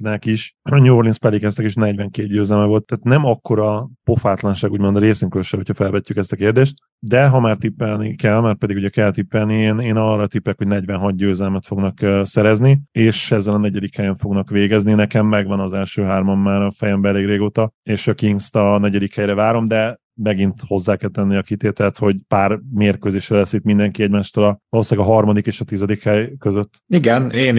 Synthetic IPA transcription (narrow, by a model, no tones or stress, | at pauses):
nɛkiʃɲuorlinspɛlːikɛst̪ɛkeːʃnɛɟʋɛŋkeːt̪̚ɟøːzɛlmɛvo̞lt̪ːaːt̪nɛmɒkːo̞ɾɒpo̞faːt̪lɒnʃaːɡuːɟmond̪ɾeːsiŋkyløʃɛɦo̞cʰhɒfɛlvɛcːykɛst̪ɒkeːrd̪eːʃt̪ | d̪ɛɦɒmaːrt̪ipːɛlnikɛlmaːrpɛd̪iɡuɟɛkɛlt̪ipːɛlnieːneːnɒrːɒt̪ipːɛkho̞ɟnɛɟvɛnɦɒt̪̚ɟøːzɛlmɛt̪fo̞ɡnɒkːsɛɾɛznieːʃɛzːɛlɒnɛɟɛd̪ikhɛjɛɱfo̞ɡnɒkʋeːɡɛzninɛkɛmːɛɡʋɒnɒzɛlʃøːɦaːrmɒmːaːɾɒfɛjɛmbɛɛleːɡreːɡoːt̪ɒeːʃɒkiŋɡst̪ɒnɛɟɛd̪ikhɛjɾɛvaːɾo̞md̪ɛ | mɛɡint̪ho̞zːaːkɛlt̪ɛnːiɒkit̪eːt̪ɛlɛt̪ho̞ɟpaːrmeːrkøːzeːʃrɛlɛsit̪mind̪ɛŋkiɛɟmaːʃt̪oːlɒvɒloːsaːɡɒɦɒrmɒd̪ikeːʃɒt̪izɛd̪ikhɛjkøzøt̪ːiɡɛneːn